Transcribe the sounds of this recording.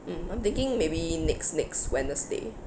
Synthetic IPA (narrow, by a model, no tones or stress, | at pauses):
m̩ãjmt̪ɪ̃ŋkɪ̃ŋmebinɛksnɪkswɛ̃nəsdḛ